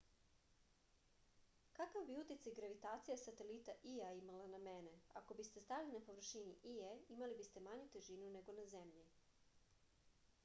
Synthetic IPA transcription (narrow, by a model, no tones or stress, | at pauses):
kakavbiut̪it̪sajɡɾaʋit̪aːt̪sijasat̪e̞lit̪aʔiaimalaname̞ne̞a̰ko̞bist̪e̞st̪ailinapo̞ʋr̩ʃiniʔieimalibist̪e̞maɲut̪eʒinune̞ɡo̞naze̞mʎi